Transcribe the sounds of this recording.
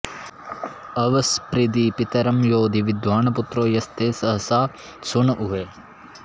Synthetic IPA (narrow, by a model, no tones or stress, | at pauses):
ɐʋɐspɾid̪iːpit̪ɐɾɐmjoːd̪ʱiʋid̪ʋaːɳɐput̪ɾoːjɐst̪ʰeːsɐɦɐsaː | suɳɐʔuɦe